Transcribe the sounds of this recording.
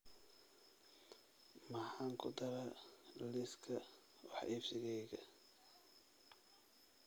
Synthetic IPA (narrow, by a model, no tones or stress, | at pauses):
mɑħɑːŋkʰʊ̰d̪ɐɾɐlɪskʰɐ | wɑ̰ħʔiːfsɪɣɛjɣɐ